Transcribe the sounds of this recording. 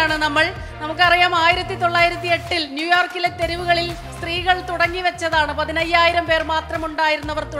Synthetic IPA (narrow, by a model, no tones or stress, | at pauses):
aːɳɨnɐmːɐɭ | nɐmukːɨɐrijaːmaːjiɾɐt̪ːit̪o̞ɭːaːjiɾɐt̪ːie̞ʈːilnjuːjoːrkːile̞t̪e̞ɾiʋuɣɐɭil | st̪riːɣɐɭt̪uɽɐŋːiʋɐt͡ɕːɐðaːɳɨpɐðinɐjːaːjiɾɐmpe̞ːrmaːt̪rɐmuɳɖaːjiɾunːɐʋɐrt̪u